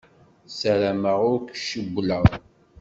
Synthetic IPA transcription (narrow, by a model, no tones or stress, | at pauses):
səɾæməʁʊɾkʃəɡʷːləʁ